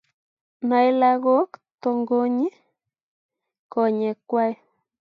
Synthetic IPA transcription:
na˨˦jla˦ɣo˦kt̪o˧ŋɡo˦ɲi˦ | ko˨ɲe˨kʷa˦j

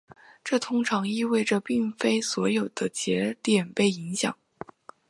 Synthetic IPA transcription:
ʈ͡ʂɤ˥˩t̪ʰʊ˥ŋʈ͡ʂʰɑ˧˥ŋi˥˧we˥˩ɪʈ͡ʂə˩pi˥˩ŋfe˥ɪswɔ˧˥jo˨˩ʊd̪̥ə˦t͡ɕjɛ˧˥t̪jɛ˨˩npe˥˩ɪi˧˥ŋɕjɑ̰˨˩˦ŋ

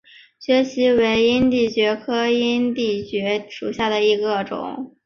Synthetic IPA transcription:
ɕɥɛ˧˥ɕi˧˥we˧˥ɪi˥nt̪i˥˩t͡ɕɥɛ˧˥kʰɤ˥i˥nt̪i˥˩t͡ɕɥɛ˧˥ʂu˨˩ɕja˥˩d̪ə˩i˧˥ɡə˧ʈ͡ʂʊ̰˨˩˦ŋ

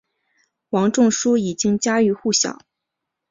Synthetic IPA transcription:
wɑ˧˥ŋʈ͡ʂʊ˥˧ŋʂu˥i˨˩t͡ɕi˥ŋt͡ɕja˥y˧˥xu˥˩ɕjɑ̰˨˩˦ʊ

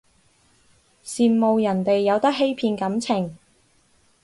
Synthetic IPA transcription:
siː˨nmo˨˧wjɐ˨˩nt̪e˨jːɐ˨˧wt̪ɐ˥k̚ɦe˥jpʰiː˧nkɐ˨˥mt͡sʰɪ˨˩ŋ

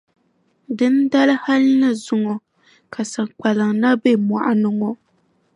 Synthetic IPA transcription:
dɨ˦n˦da˦lɨ˦ha˦lɨ˦nɨ˦zʊ˨ŋɔ˨ | kʰa˨sa˨k͡pa˨lɨ˨ŋna˦be˦ma̰˨ʔa˨nɨ˦ŋɔ˦

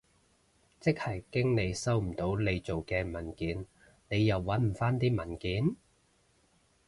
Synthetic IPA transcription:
t͡sɪ˥k̚hɐ˨˩jkɪ˥ŋne˨˧jsɐ˥wm̩˨˩t̪o˨˥wle˨˧jt͡so˨wkɛː˧mɐ˨˩nkiː˨˥n | ne˨˧jːɐ˨wːɐ˨˥nm̩˨˩faː˥nt̪iː˥mɐ˨˩nkiː˨˥n

